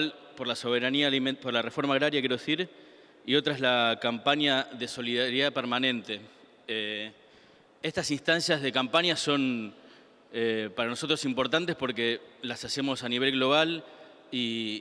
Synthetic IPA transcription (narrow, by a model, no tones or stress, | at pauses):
l | po̞ɾlaso̞β̞e̞ɾaniampoɾlare̞fo̞ɾmaɣɾaɾjak̬jeɾoesiɾ | io̞t̪ɾaezlakampaɲjaðe̞so̞liðaɾjðapeɾmanẽ̞nt̪e̞ | e̞st̪asinst̪ansjazð̞e̞kampaɲjaso̞n | epaɾano̞so̞t̪ɾo̞simpo̞ɾt̪ant̪espo̞ɾkelasase̞mo̞saniβ̞e̞lɣlo̞β̞al | i